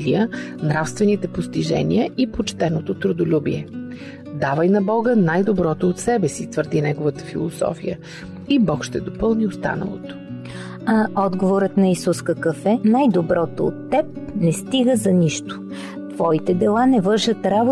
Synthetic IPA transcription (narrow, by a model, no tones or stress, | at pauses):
liənɾafst̪vɛnit̪ɛpost̪iʒɛ̰niəʔipot͡ʃt̪ɛnot̪ot̪ɾʊd̪olʲubiɛ | d̪avəjnɐbɔɡənajd̪obɾɔt̪oot̪sɛbɛsit̪vəɾd̪inɛɡovət̪ə̥filˠosɔ̰fijə | ibɔkʃt̪ɛd̪opɤlˠniost̪a̰nə̰lˠo̰t̪o̥ | ɐɔd̪ɡovoɾət̪nɐisuskəkəfɛnajd̪obɾɔt̪oo̰t̪ːɛp̚ | nɛst̪iɡəzɐniʃt̪ʊ̥ | t̪v̥ɔit̪ɛd̪ɛlˠanɛvɤɾʒət̪ɾabo